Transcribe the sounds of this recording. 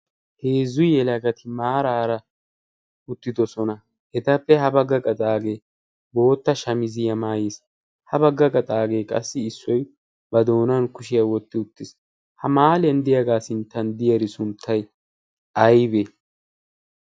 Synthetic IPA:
heːzːʊjɛlɐɡɐt̪ʰɪmaːɾaːɾɐ | ʊt̪ːɪd̪ɔsɔnɐ | hɛt̪ɐpːɛhɐbɐɡɐkʼɐt̪ʼaːɡe̞ː | bo̞ːt̪ːɐʃɐmɪzɪjɐmaːjes | hɐbɐɡːɐkʼɐt̪ʼaːɡe̞ːkʼɐ̰sːɪːsːɔj | bɐd̪o̞ːnɐnkʊʃɪjɐwɔt̪ːɪʊt̪ːɪs | hɐmaːlɪjɐnd̪ɪjɐɡaːsɪnt̪ːɐnd̪ɪjɐɾɪsʊnt̪ʰːɐj | ɐjbeː

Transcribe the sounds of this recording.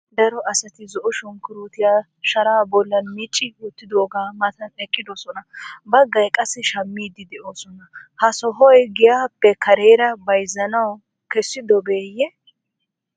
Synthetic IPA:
d̪ɐɾɔʔɐsɐt̪ɪzɔʔʊʃɔŋkɪɾuːt̪ɪjaː | ʃɐɾaːbɔlːɐnmiːt͡ʃʼːɪwʊt̪ːɪd̪oːɡaːmɐt̪ɐnɛkʼːɪd̪ɔsɔnɐbɐɡːɐjkʼɐsːɪʃɐmːiːd̪ɪd̪ɛʔoːsɔnɐhɐsɔɦɔjɡɪjaːpːɛkɐɾeːɾɐbɐjzɐnɐw | kɛsːɪd̪ɔbeːjːɛ

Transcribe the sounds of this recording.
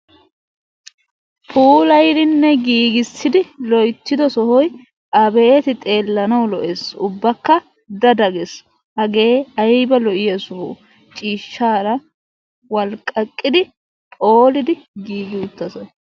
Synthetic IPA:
pʰʼuːlɐjd̪ɪnːɛɡiːɡɪsːɪd̪ɪlɔjt̪ːɪd̪ɔsɔhɔj | ʔɐbet̪ɪt̪ʼe̞ːlːɐnɐwlɔʔeːsʊbːɐkːɐ | d̪ɐd̪ɐɡes | hɐɡe̞ːɐjbɐlɔʔɪjɐsʊho̰ː | t͡ʃʼiːʃːaːɾɐ | wɐlkʼɐkʼːɪd̪ɪ | pʼo̞ːlɪd̪ɪɡiːɡɪʊt̪ːɐsɐ

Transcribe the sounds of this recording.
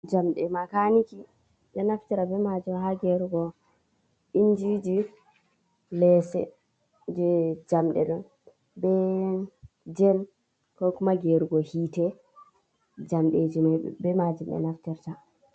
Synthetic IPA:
d͡ʒamɗɛmakaniki | ɓɛnaftiɾabɛmad͡ʒumhaɡɛɾuɡɔ | ʔind͡ʒid͡ʒi | lɛsɛ̰ | d͡ʒɛd͡ʒamɗɛ̰ɗɔn | bɛ | d͡ʒɛm | kɔkumaɡɛɾuɡɔhiːtɛ | d͡ʒamɗed͡ʒimaj̰bɛmad͡ʒumɛ̰naftiɾta

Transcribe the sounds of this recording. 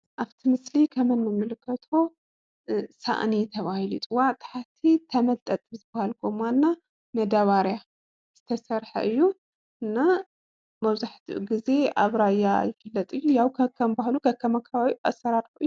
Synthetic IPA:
ʔaβt̪ʰimɨslikʰɐmɐnmɨmɨlɨkʰːɐt̪ʰo | sa̰ʔnit̪ʰɐβahilit̪ʼuwaʕt̪ʼḁħat̪ʰit̪ʰɐmɐlt̪ʼɐt̪ʼɨzɨbahalkʰomanːa | mɐd̪aβaɾja | z̥ɨt̪ʰɐsɐɾħɐ̰ʔɨjːu | ʔɨnːa | mɐβzaħt̪ʰḭʔṵɡize̞aβɾajːa̰jɪfɨlːɐt̪ʼɨjːujawkʰɐkʰːɐmbahlukʰɐkʰːɐmakʰːɐβaβiʔasːɐɾaɾħuʔɨjːu

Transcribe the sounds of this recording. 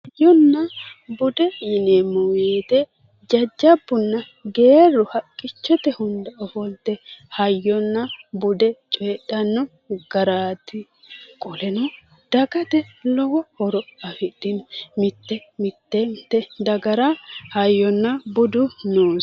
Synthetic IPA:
ɐjːɔnːɐbʊd̪ɛjɪnemʊweːt̪ɛ | d͡ʒɐd͡ʒːɐbːʊnːɐ | ɡeːrːɔhɐkʼːɪt͡ʃːɔt̪ɛhʊnd̪ɐʔɔhɔld̪ɛhɐjːɔnːɐbʊd̪ɛt͡ʃʼɛːᶑɐnːɔ | ɡ̥ɐɾaːt̪ɪ | kʼɔlɛnɔ | d̪̥ɐɡɐt̪ɛlɔwɔhɔɾɔɐfɪd̪ɪnmɪt̪ːɛmɪt̪ːɛt̪ːɛd̪ɐɡɐɾɐhɐjːɔnːɐbʊd̪ʊnoː

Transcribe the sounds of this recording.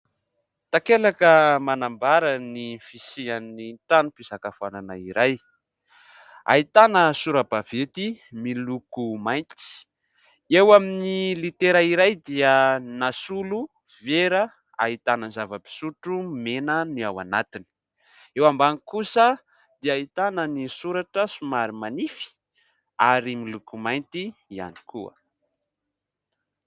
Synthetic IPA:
t̪akelakəmanambaɾənifisianiʈ͡ʂanupizakafananaiɾaj | a̰ɦit̪anəsuɾəbavet̪imilukumajnt̪i̥ | ewaminilit̪eɾaiɾajd̪iənasulu | veɾə | a̰ɦit̪anənzavəpi̥suʈ͡ʂumenəniawa̰nat̪ini̥ | ewambanikusə | d̪̥iaɦit̪anənisuɾaʈ͡ʂəsumaɾimanifi̥ | aɾimilukumajnt̪iia̰ni̥kʰuə̰

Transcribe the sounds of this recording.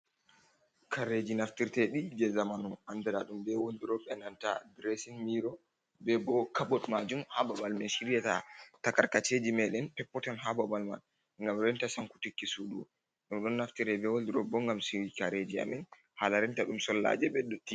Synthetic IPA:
kaɾed͡ʒinaftiɾtɛɗid͡ʒɛzamanuʔandaɾaɗumbɛwoldiɾɔɓɛnanta̰dɾesinmiɾɔ | bɛɡɔkaɓɔtmad͡ʒumhababalmɛnʃiɾjɛta̰takaɾkat͡ʃed͡ʒimɛɗɛnpɛpːɔtanɦababalma̰n | ŋɡamɾɛntasaŋku̥tikːisuɗṵ | ɗumɗɔnːaftiɾɛbɛwoldiɾɔbɔŋɡamsiɾikaɾed͡ʒia̰min | halaɾɛntaɗumsɔlːa̰d͡ʒɛbɛdːotːi

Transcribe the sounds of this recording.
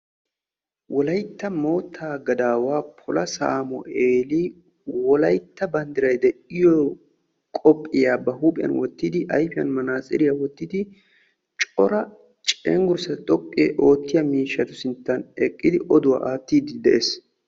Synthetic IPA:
wʔɔlɐjt̪ːɐmoːt̪ʰːaːɡɐd̪aːwaːpʰɔlɐsa̰ːmɔ̰ʔeːliː | wɔlɐjt̪ːɐbɐnd̪ɪɾɐjd̪ɛʔɪjɔ | kʼɔpʼːɪjaːbɐhuːpʼɪjɐ̰nwɔt̪ːɪd̪ɪʔɐjfɪjɐ̰nmɐnaːsʼɪ̰ɾɪjawɔt̪ːɪd̪ɪ | t͡ʃʼɔɾɐ | t͡ʃʼɛŋɡʊɾsɐt̪ʼɔpʼːeːʔo̞ːt̪ːɪjɐmiːʃːɐt̪ʊsɪnt̪ːɐnɛkʼːɪd̪ɪʔɔd̪ʊwa̰ːʔaːt̪ːiːd̪ɪd̪ɛʔeːs

